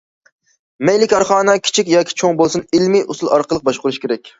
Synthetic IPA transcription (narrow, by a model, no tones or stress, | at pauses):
mɛjlɪkʲɑɾχɑːnəkʲʰi̥t͡ʃʰikʲjɑːkʲʰi̥t͡ʃʰoŋbolˠsunɪlmiʔusulˠɑ̰ɾqəlˠəq̚bɑʃqʊɾuʃkʲeɾɛk̚ʲ